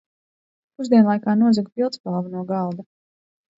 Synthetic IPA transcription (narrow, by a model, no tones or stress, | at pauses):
puzd̪ʲiɛnlˠajkaːnuɔzɛɡpilˠt̪spalˠvunuɔɡɑlˠd̪a